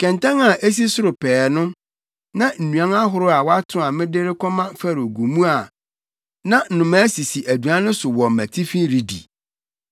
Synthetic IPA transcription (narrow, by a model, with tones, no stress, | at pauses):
kʰɛ̃˨ntʰã˦ŋa˨ʔe˦s̬i˦sʊ˦ɾʊ˨pʰɛː˨nʊ̃˦ | nã˦n̩˨nũ˨ã˦ŋa˦ɦʊ˦ɾʊ˦a˨wɔ˦a˦tʰʊ̃˦a˨mɪ̃˦dɪ˦ɾɪ˦kʰɔ˦mã˦fa˦ɾo˨ɡu˨mũ˦a˨ | nã˦n̩˨nʊ̃˨mæ˦si˨si˨ʔæ˨du˨a˦nʊ̃˦sʊ˨wɔ˨m˨mæ̰˨tʰi˦fĩ˦ɾi˨dḭ˨